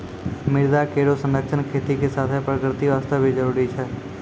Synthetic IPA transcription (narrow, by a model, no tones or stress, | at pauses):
mɪɾd̪akeːɽosə̃nɾəkʃʰənkʰeːt̪ikesaːt̪ʰepɾəkɾɪt̪iʋaːst̪ʰabʱid͡ʒəɾuːɾit͡ʃʰɛː